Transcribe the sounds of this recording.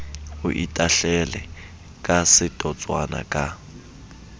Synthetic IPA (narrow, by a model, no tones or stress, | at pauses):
ʊʔitʼaɬɛlɛ | kʼasɪtʼɔt͡sʼwa̰na̰kʼa